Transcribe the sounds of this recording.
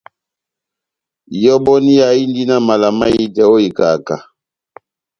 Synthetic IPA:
jɔ˦bɔ˦ni˦ja˨i˦n˦di˦na˦ma˨la˨ma˦ji˦dɛ˨o˦i˨ka˨ka̰˨

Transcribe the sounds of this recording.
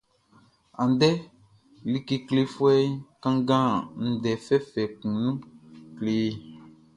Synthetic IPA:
a˨n˨dɛ˦ | li˦ke˦kle˦fwɛ˦kã˦ŋɡã˦n̩˨dɛ˨fɛ˦fɛ˨kũ˨nũ˦kle˨˦

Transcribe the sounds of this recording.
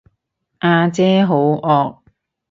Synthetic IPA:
ʔaː˧t͡sɛː˥ɦo˨˥wʔɔː˧k̚

